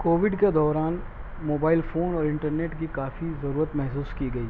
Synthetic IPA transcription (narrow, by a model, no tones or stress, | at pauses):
koːʋɪɖked̪ɔːɾaːn | moːbaːɪlfoːnɔːɾɪ̃ɳʈəɾneːʈkikaːfizɐɾuːɾət̪mɛɦsuːskiɡɐiː